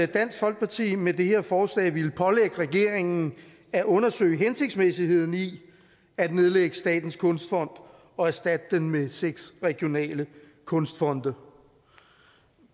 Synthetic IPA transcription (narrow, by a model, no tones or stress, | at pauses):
d̥æn̰sɡ̥fɒ̽l̰ɡ̥̚pʰɑ̈t͡sʰḭːmed̥e̝he̝ɐ̰fɒːslɛ̰ːʋiləpʰɒ̽leɡ̥əʁɛɡ̥e̝̰ɐ̰e̝ŋn̩ | æʔɔ̽nɐsø̰ɪɦense̝ɡ̥̚d̥smesihe̝ð̞̰ˠn̩i | æd̥ne̝ð̞ˠleɡ̥əsd̥ɛ̰ːd̥n̩skʰɔ̽nsd̥fɒ̽n̰d̥ | ɒ̽æɐsd̥æd̥̚əd̥enmeseɡ̥sʁɛɡ̥jo̝nɛ̰ːlə | kʰɔ̽nsd̥fɒ̽nd̥ɐ